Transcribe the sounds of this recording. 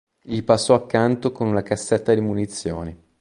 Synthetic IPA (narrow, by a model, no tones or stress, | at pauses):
ʎipasːɔakːant̪okonunakasːɛt̪ːad̪imunit̪sːjo̰ːne